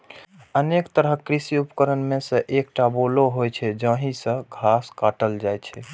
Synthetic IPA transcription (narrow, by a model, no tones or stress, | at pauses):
ənekt̪əɾəɦkɾisiupəkəɾənmesə̃ʔek̚ʈaboloɦojt͡ʃʰɛd͡ʒə̃ɦĩsə̃ɡʱaskaʈəld͡ʒajt͡ʃʰɛ